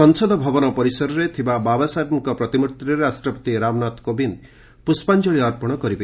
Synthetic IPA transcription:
ɔŋsɔd̪ʱɔbʱɔbɔnɔpɔɾisɔɾɔɾet̪ʰibababasat̪miŋkɔpɾɔt̪imut̪ɾiɾɾasʈɾɔpɔt̪iɾamnat̪kobin | puspand͡ʒɔɭiɔɾpɔɽ̃ɔkɔɾipa

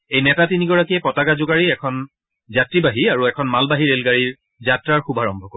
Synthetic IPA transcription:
ejnɛtatiniɡɔɹakiɛpɔtaɡazʊɡaɹiɛkʰɔn | zatɹibaɦiaɹuɛkʰɔnmalbaɦiɹelɡaɹiɹ | zatɹaɹxubʱaɹɔmbʱɔko

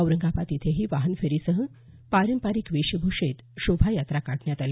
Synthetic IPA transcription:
əwɾəŋɡapat̪it̪ʰeɦiːʋaɦənfeɾisəɦə | paɾəmpaɾiːkʋiɕəbʱuʂet̪ɕobʱajat̪ɾakaʈɳjat̪al

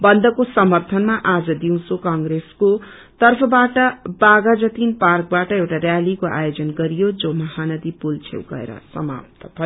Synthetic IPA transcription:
bʌnd̪ʌkosʌmʌrt̪ʰʌnmaʔad͡zʌd̪iw̃sokaŋɡɾesko | t̪ʌrpʰʌbaʈʌbaɡad͡zʌt̪inparkbaʈʌewʈarjalikoʔa̰jod͡zʌnɡʌɾijod͡zomʌɦanʌd̪ipult͡sʰḛwɡʌ̰ḛɾʌ̰sʌma̰p̚t̪ʰʌ̥pʰʌ

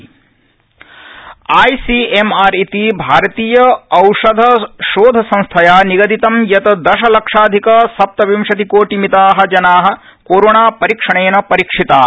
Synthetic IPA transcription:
aːjsiemaːɾit̪ibʱaːɾɐt̪iːjɐɐwʂɐd̪ʱɐʃoːd̪ʱɐsɐ̃ñst̪ʰɐjaːniɡɐd̪it̪ɐmjɐt̪ɐd̪ɐʃɐlɐkʂaːd̪ʱikɐsɐp̚t̪ɐʋimʃɐt̪ikoːʈimit̪aːɦɐ̆d͡ʒɐnaːɦɐ̆ | koːɾoːɳaːpɐɾikʂɐɳeːnɐpɐɾikʂit̪aː

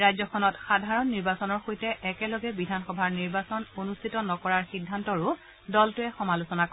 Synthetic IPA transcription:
ɹajzɔkʰɔnɔtxadʱaɹɔnːiɹbasɔnɔɹxojtɛʔɛkɛlɔɡɛbidʱanxɔbʱaɹniɹbasɔnonustʰitɔnɔkɔɹaɹxidʱːantɔɹʊ | dɔltʊɛxɔmalosɔnakɔ

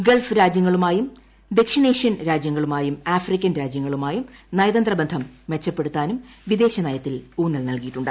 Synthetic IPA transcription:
ɡelfɨɾaːd͡ʑjɐŋːɐɭumaːjum | d̪e̞kʂineːʂjɐnɾaːd͡ʑjɐŋːɐɭumaːjumaːfrikʲːɐnɾaːd͡ʑjɐŋːɐɭumaːjumnɐjɐðɐnd̪rɐbɐnd̪ʱɐmːet͡ɕːɐpːe̞ɽut̪ːaːnumʋid̪e̞ːɕɐnɐjɐt̪ːiluːnːɐlnɐlkijiʈːuɳɖɨ

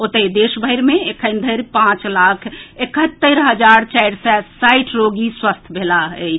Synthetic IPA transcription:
ot̪ed̪esbʱəjɾmeekʰənd̪ʱəɾpãt͡ʃlakʰekət̪ːəɾɦəd͡ʒaɾt͡ʃajɽsɛsajʈʰɾoɡiswəst̪ʰbʱelaət͡ʃʰ

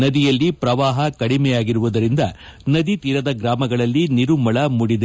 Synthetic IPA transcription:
nɐd̪ijɐlːipɾɐʋaːɦɐkɐɽimɛjaːɡiɾuʋud̪ɐɾind̪ɐnɐd̪it̪iːɾɐd̪ɐɡɾaːmɐɡɐɭɐlːiniɾumɐɭɐmuɽid̪e

